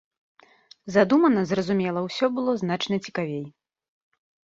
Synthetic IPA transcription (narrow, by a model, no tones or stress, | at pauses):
zad̪umɐnɐzrɐzumʲɛlˠɐwsʲɔbɨlˠɔzn̪at͡ʂnɐt͡sʲi̥kavʲej